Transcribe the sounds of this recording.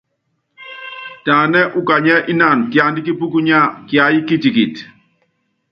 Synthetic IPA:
taː˨nɛ˦ʔu˦ka˨ɲɛ˦ʔi˦na˦˨nkja˨ndi˦k̬i˦pu˦ku˦ɲa˦˨kja˨˦ji˦ki˦ti˨ki˨t

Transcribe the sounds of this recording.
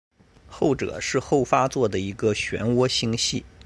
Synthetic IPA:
xo˥˩ʊʈ͡ʂɤ̰˨˩˦ʂɻ̩˥˧xo˥˩ʊfa˥t͡swɔ˥˩d̪ə˩i˧˥ɡə˧ɕɥɛ̰˧˥nwɔ˥ɕi˥ŋɕi˥˩

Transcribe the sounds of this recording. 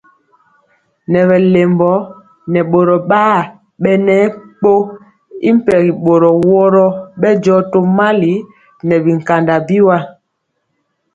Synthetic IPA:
nɛ˨βɛ˨le˨mbɔ˨˦ | nɛ˨ɓo˨ɾɔ˨ɓaː˦ | ɓɛ˦nɛ˦k͡po˦ | ḭ˦m̩˦pɛ˨ɣi˨ɓo˨ɾɔ˨wɔ˦ɾɔ˦ɓɛ˦d͡ʒɔ˦to˦ma˦li˨˦ | nɛ˨bi˨ŋ̩˨ka˨nda˨bi˦wa˦

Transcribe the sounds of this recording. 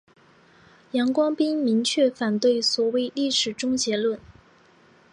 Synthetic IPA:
jɑ˧˥ŋkwɑ˥ŋpi˥ŋmi˧˥ŋt͡ɕʰɥɛ˥˩fa˨˩nt̪we˥˩ɪswɔ˨˩we˥˧ɪli˥˩ʂɻ̩˨˩ʈ͡ʂʊ˥ŋt͡ɕjɛ˧˥lwə˥˩n

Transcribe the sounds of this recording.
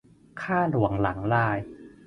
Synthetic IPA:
kʰaː˥˩nu˨˩˦əŋla˩˦ŋlaː˥˧˩j

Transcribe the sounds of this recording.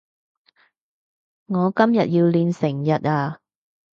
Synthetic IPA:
ŋɔː˨˧kɐ˥mjɐ˨t̚jiː˧wliː˧nsɪ˨˩ŋjɐ˨t̚aː˧

